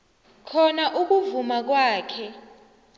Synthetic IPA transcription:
kʰɔnaʔuk̬uvumak̬waːkʰɛ

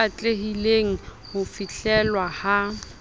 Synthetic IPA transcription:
at͡ɬʼeɦileŋ̩ | hʊfiɬɛlwaha

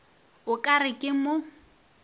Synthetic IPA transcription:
ʊkʼarɪkʼɪmʊ

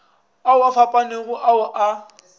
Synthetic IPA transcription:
aʊafapʼaneɣʊʔaʊʔa

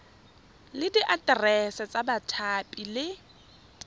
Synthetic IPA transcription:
lɪdiʔatʼrɛsat͡sʼabatʰapʼilɪ

